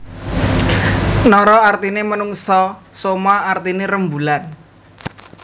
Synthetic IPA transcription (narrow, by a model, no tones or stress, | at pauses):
nɔɾɔart̪inemənuŋsɔsomaart̪ineɾəmbulan